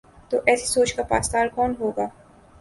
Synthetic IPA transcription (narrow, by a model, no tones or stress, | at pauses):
t̪oːʔɛːsisoːt͡ʃkapa̰ːst̪aːlkɔːnɦoːɡaː